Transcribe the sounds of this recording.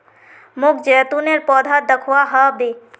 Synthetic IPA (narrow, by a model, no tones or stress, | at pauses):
mʊkʰd͡ʒɛt̪uneɾpɔd̪ʱad̪əkʰuaɦəbe